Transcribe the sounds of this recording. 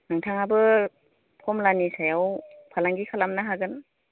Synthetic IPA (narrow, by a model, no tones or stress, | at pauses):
nɯŋtʰaŋabɯ | pʰɔmlanisajawpʰalaŋɡikʰalamnaɦaɡɯn